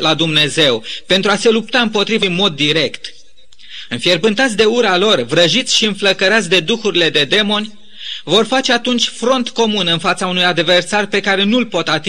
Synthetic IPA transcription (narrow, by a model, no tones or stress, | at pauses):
lad̪umne̞ze̞wpe̞nt̪ɾuase̞lup̚t̪aɨmpo̞t̪ɾivɨnmo̞d̪ːiɾe̞kt̪ | ɨnfjerbɨnt̪at̪sʲd̪e̞uɾalo̞rvɾəʒit̪sʲʃiɨnfləkəɾat̪sʲd̪e̞d̪uxuɾile̞d̪e̞d̪e̞mo̞nʲ | vo̞rfat͡ʃe̞at̪unt͡ʃʲfɾo̞nt̪ko̞munɨnfat̪saunujad̪ve̞rsarpe̞kaɾe̞nulpo̞t̪at̪i